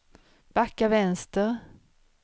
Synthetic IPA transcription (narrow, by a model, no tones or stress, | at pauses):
b̥akːavɛnst̪əɾ